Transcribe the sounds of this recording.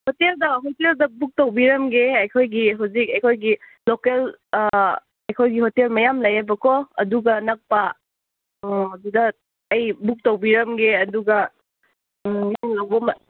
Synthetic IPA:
hoteldɐɦoteldɐbuk̚tawbiɾɐmɡeɐjkʰojɡiɦawzikɐjkʰojɡi | lokel | ɐjkʰojɡiɦotelmɐjamlɐjabɐkɔɐduɡɐnak̚pa | dudɐː | jbuk̚tawbiɾɐmɡeɐduɡɐ | miniŋlawbɐmɐ

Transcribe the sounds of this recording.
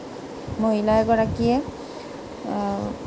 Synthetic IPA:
moɦilajɛɡɔɹakijɛ

